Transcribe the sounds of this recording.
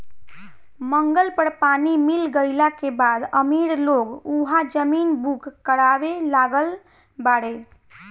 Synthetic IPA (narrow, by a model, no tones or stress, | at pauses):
məŋɡəlpəɽpanimilɡəɪlakebad̪əmiɽloɡuɦad͡ʒəminbʱukːəɽabelaɡəl | baɽe